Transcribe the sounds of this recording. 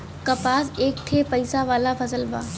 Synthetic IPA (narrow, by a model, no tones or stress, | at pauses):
kɐpaːseːk̚ʈ̪ʰeːpɐɪsaʋaːlapʰɐsəlba̰ː